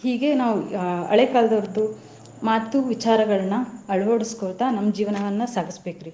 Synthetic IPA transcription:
hiːɡe̞naːʋuɐ̰ɭekaːlɐd̪ɐɾd̪u | maːt̪ːuʋit͡ʃaːɾɐɡɐɭɐnːɐɐɭʋoːɽiskoːɾt̪anɐmːɐd͡ʒiːʋɐnɐʋɐnːɐsaːɡisbe̞ːkiɾi

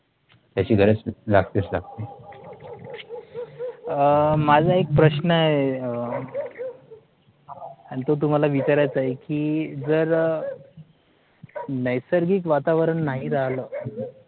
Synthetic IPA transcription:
t̪jat͡ɕiːɡʱəɾet͡slaɡt̪et͡sla̰ɡt̪e | mad͡zʱaek̚pɾəɕnəe | añit̪ot̪̬um̤alaʋit͡ɕaɾajt͡səekiːd͡zəɾ | nəjsəɾɡiːkʋat̪aʋəɾəɳːaɦiɾaɦlə

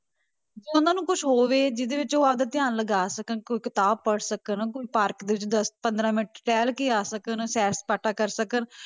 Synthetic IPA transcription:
d͡ʒoːʊnãːnũːkʊʃʰɦoːʋeːd͡ʒɪd̪eːʋɪt͡ʃoːaːd̪aːt̪ɪãːnləɡaːsəkənkoiːkɪt̪aːb̚pəɽsəkənkoiːpaːɾkd̪eːʋɪt͡ʃd̪əspə̃nd̪ɾãːmɪʈʈɛːlkiːaːsəkənsɛːspaʈʰaːkəɾsəkən

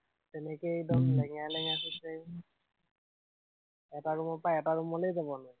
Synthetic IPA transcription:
tɛnɛkejdɔmlɛŋalɛŋasɛzej | ɛtaɹumɔpajɛtaɹumɔlejzabɔnɔj

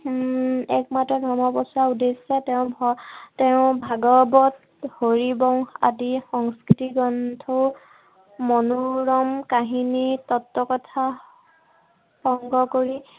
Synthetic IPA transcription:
ɛkmatɹɔdʱɔmɔbɔsaudesɛtɛʊ̃bɔtɛʊ̃bʱaɡɔbɔt̚ | hoɹibɔŋa̰dixɔŋskɹitiɡɔntʰɔ | mɔnuɹɔmkaɦinitɔtːɔkɔtʰa | hɔŋɡɔkoɹi

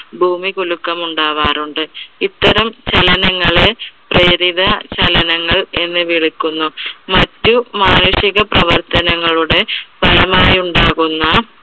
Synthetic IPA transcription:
bʱuːmikulukːɐmuɳɖaːʋaːɾuɳɖɨit̪ːɐɾɐmt͡ɕɐlɐnɐŋːɐɭe̞preːɾiðɐt͡ɕɐlɐnɐŋːɐɭe̞nːɨʋiɭikːunːumɐtːumaːnuʂiɣɐprɐʋɐrt̪ɐnɐŋːɐɭuɽe̞pɐlɐmaːjuɳɖaːɣunːɐ

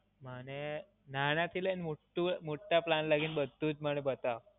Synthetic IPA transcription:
məñe | naɽ̃ãt̪ʰilenimoʈːumoʈːaplanlaɡiːnbəd̪ʱːuːt͡sməɽ̃ebət̪a

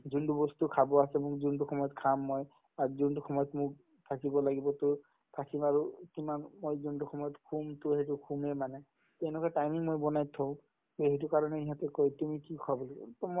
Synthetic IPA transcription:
zundubɔstukʰabɔasɛmʊkzuntuxʰɔmɔjɔtkʰamːɔj | azuntuxɔmɔjɔtmʊk̚ | tʰakibɔlaɡibɔtʊ | tʰakimaɹukimanmojzuntuxɔmɔjɔtkʰumtʊhet̬ʊkʰumɛmanɛ | tɛ̃w̃nɛkʰɔjtajmiŋmojbɔnajtʰːɔ̃ | eɦet̬ukaɹɔnɛiɦatɛkɔjtumikikʰabɔlɔɡɔtɔm

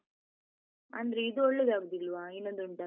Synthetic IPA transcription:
ɐnd̪ɾeid̪uɔɭːed̪aːɡud̪ilːʋaːenːond̪uɳʈa

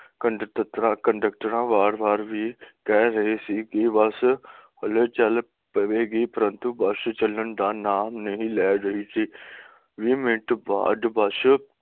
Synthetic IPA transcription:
kəɖt̪t̪ɾãkə̃ɳɖək̚ʈəɾãːʋaːɾbaːɾʋʱikɛɦɾɐɦesikiʋɐshɐlet͡ʃɐl | pɐʋeːɡiːpɐɾə̃nt̪ubɐʃt͡ʃɐlənd̪ãːnaːmnɐɦĩlɛːɾɐɦisiː | ʋimɪ̃ʈba̰ːd̪bɐʃ

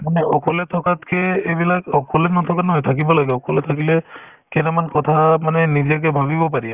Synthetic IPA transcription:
manɛɔkʰɔlɛtʰɔkatkɛebilakɔkʰɔlɛnɔt̪ʰɔkanɔɦɔjt̪ʰakibɔlaɡɛɔkʰɔlɛt̪ʰakilɛ | kɛnɛmankɔt̪ʰamanɛnidijak̬ɛbʱaβibɔp̬aɹiɛ

